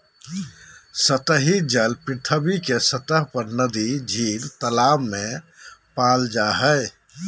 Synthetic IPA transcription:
sət̪əɦid͡ʒəlpit̪ʰəbikesət̪əɦpəɾnəd̪id͡ʒʱilt̪əlamːẽpald͡ʒaɦəɪ

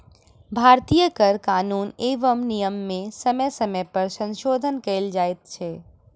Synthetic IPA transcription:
bʱaɾt̪ijəkəɾkaːnuːneʋəmnijəmːẽsəməjsəməjpəɾsə̃nʃoːd̪ʱənkeɪld͡ʒaet̪t͡ʃʰɛ

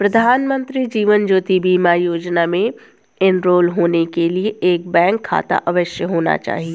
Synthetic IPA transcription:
pɾɐd̪ʱaːnmə̃nt̪ɾid͡ʒiːʋənd͡ʒoːt̪ibiːmajoːd͡ʒnamẽ | ɪnɾoːlɦoːnekelieʔeːk̚bɛ̃ːŋkʰːa̰ːt̪a̰ʔɐʋəʃjəɦoːna̰t͡ʃa̰ːɦie

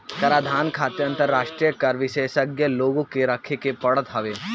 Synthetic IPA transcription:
kɐɾaːd̪ʱaːnkʰaːt̪jə̃nt̪əɾːaːʃʈɾijəkɐɾʋɪʃeːʃəɡjəloːɡõkeɾɐkʰekepɐɽət̪ɦɐʋeː

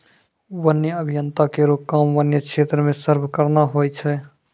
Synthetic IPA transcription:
ʋənjəəbʱijənt̪akeɾokːaːmʋənjəkʃʰeːt̪ɾəmẽsəɾbʱkəɾnaɦojt͡ʃʰɛ

